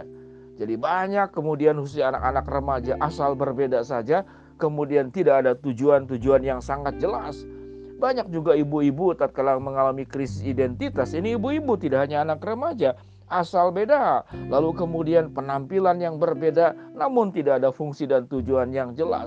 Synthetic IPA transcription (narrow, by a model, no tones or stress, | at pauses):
d͡ʒadibaɲakːəmudianhus̬ana̰kanakrəmad͡ʒaʔasalbərbedasad͡ʒa | kəmudiant̪idaːdat̪ud͡ʒuant̪ud͡ʒuanjaŋsaŋat̪̚d͡ʒəla̰sbaɲak̚d͡ʒuɡaibuibut̪ap̚kalaməŋalamikɾisɪsidɛnt̪it̪asiniːbuibut̪idaʔɦaɲaːnakrəmad͡ʒa | ʔasalbedalalukəmudianpənampilanjaŋbərbedanamʊnt̪idakadafuŋsidant̪ud͡ʒuanjaŋd͡ʒəla̰s